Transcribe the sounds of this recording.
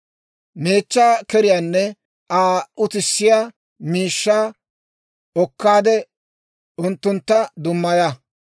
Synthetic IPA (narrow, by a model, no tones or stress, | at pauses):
me̞ːt͡ʃːaːkɛɾɪjanːɛ | aːʊt̪ɪsːɪjaː | miːʃːaː | ɔkːaːd̪ɛ | ʊnt̪ːʊnt̪ːɐd̪ʊmːɐja